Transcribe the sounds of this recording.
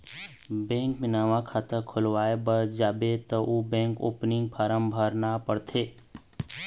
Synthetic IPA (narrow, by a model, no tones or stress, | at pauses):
bɛ̃ːŋkmɪnaːʋãkʰat̪əɾkʰʊlʋaːebəɾd͡ʒaːbet̪ɔʔubɛ̃ːŋko̰ːpnɪŋɡ̚pʰaːɾəmbʱəɾnapəɽt̪ʰeː